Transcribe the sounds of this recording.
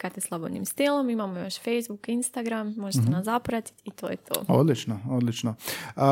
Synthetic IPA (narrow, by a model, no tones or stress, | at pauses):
kat̪eslˠabodnḭmst̪ilˠo̞mimamojo̞ʃfejzbukinst̪aɡɾamːo̞ʒet̪enaszapɾat̪i̥t̪it̪oːjet̪ʰoːo̰d̪lit͡ʃnood̪lit͡ʃno